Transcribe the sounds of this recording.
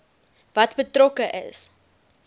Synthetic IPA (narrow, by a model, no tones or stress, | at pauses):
vɐtbətrɔkəʔə̰s